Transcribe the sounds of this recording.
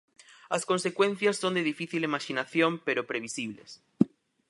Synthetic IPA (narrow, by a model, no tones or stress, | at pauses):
askonsekwẽn̟θjasːond̪eðifiθilimaʃinaθjõmpeɾopɾeβ̞isiβlḛs